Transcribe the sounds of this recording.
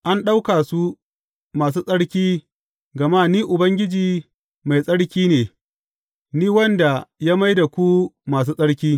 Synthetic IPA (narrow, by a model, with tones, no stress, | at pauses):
ʔa˦nɗa˦wkaː˨su˦ | maː˨s̬uː˦sʼɐ˦ɽkʲiː˦ | ɡɐ˨ma˦niː˦ʔʊ˨bɐ˦ŋɡʲɪ˦d͡ʒiː˨ | ma˨jsʼɐ˦ɽkʲiː˦neː˨ | niː˦wɐ˦nda˨ja˦ma˦jda˨kʷu˦maː˨s̬uː˦sʼɐ˦ɽkʲiː˦